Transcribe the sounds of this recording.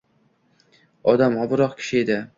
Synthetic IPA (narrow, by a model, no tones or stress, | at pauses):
ɒd̪amɒbʊɾɒqkʲʰɪ̥ʃɪed̪ɪ